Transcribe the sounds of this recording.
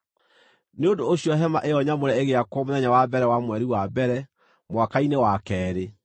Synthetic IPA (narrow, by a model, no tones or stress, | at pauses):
neondoːɕiɔɦɛmaʔeɔɲamoɾɛeɣeakwɔmoðɛɲawabɛɾɛwamwɛɾiwabɛɾɛ | mwakainewakɛːɾe